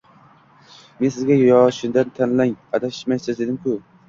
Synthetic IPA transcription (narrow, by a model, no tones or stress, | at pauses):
mensɪzɡʲajjɒːʃʊnd̪ant̪ʰanlaŋat̪ʰaɪ̥ʃmajt̪azsed̪ɪmkʰʊ